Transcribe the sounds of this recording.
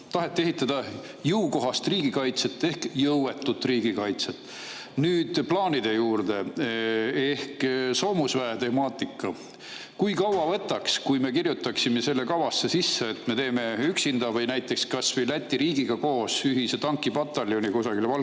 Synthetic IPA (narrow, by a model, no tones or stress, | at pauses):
t̪ɑɦe̞t̪ːe̞ɦit̪ːˑɑd̪̥ɑ | jɤwko̞ɦɑst̪riːɡ̥ikɑjt̪se̞t̪ːˑe̞hkjɤwwe̞t̪ːˑut̪ːˑriːɡikɑjt̪set̪ˑː | nyːd̪̥plɑːnid̪̥e̞juːrd̪̥e̞ | e̞hkso̞ːmusvæet̪e̞mɑːt̪ˑikːˑɑ | kujkɑwwɑvɤ̞t̪ˑːɑkskujme̞kirjut̪ːˑɑksime̞se̞lːekɑwɑsːe̞sisːeet̪me̞t̪e̞ːme̞yksind̪ɑvɤjnæjt̪ːˑe̞kskɑsvɤjlæt̪ʲːiɾiːɡiɡ̥ɑko̞ːsyɦise̞t̪ɑŋkːˑibɑt̪ːˑɑljo̞nikosɑɡ̥ilvɑl